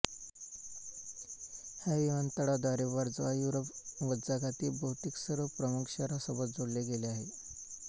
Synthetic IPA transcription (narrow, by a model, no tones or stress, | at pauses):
hjaʋiʋant̪əɽad̪aɾeʋaɾd͡zʋajuɾəpʋəd̪d͡zaɡat̪iːbəwt̪iːksəɾʋəpɾəmukʰɕəɾasəbət̪̚d͡zoɽleɡeleaɦe